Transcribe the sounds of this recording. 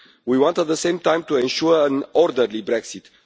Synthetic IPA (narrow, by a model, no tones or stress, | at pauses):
wiwɑ̃nt̪æt̪̚ðəsẽj̃mt̪ãj̃mt̪uẽnʃuə̃nɔɾd̪əɾlibɾɛksit̪